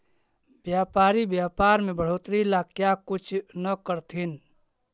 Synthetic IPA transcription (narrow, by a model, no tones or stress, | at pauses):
bjaːpaːɾibjaːpaːɾmẽbəɽ̤oːt̪ɾilakjakʊt͡ʃʰnəkəɾt̪ʰin